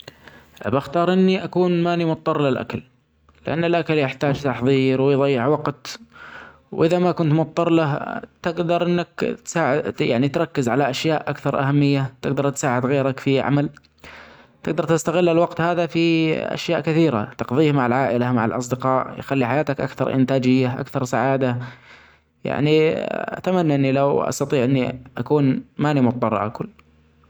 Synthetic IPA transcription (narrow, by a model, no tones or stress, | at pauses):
baxt̪ɑːɾˤʔɪnːiʔakuːnmaːnimʊt̪ˤːɑrˤlɪlʔa̰kal | lɪʔanːɪlʔakaljɪħt̪aːd͡ʒt̪ɑħðˤiːɾwɪjðˤɑjːɪʕwɑqt̪ | wʔɪðamakʊnt̪mʊt̪̚ˤːɑɾˤlat̪ɪɡd̪ɑɾˤʔɪnːakt̪saːʕɪja̰ʕnit̪ɾˤɑkːɪzʕalaʔaʃjaːʔʔa̰kθɑɾˤʔa̰hamːɪjːat̪ɪɡd̪ɑɾˤt̪saːʕɪd̪ɣeːɾakfiʕa̰mal | t̪ɪɡ̚d̪ɑɾˤt̪ɪst̪aɣɪlːɪlwɑɡt̪haːðafiʔa̰ʃjaːʔkɪθiːɾa̰t̪ɑqðˤiːhmaʕalʕaːʔɪlamaʕalʔɑ̰s̬ˤd̪ɪqɑːʔjxalːiħajaːt̪akʔa̰kθɑ̰ɾˤʔɪ̰nt̪aːd͡ʒɪjːaʔa̰kθɑɾˤsaʕaːd̪a | ja̰ʕniʔa̰t̪amanːaʔɪnːilawʔɑ̰st̪ɑt̪ˤiːʕʔɪnːiʔakuːnmaːnimʊt̪ˤːɑr̰ˤːʔa̰kʊlː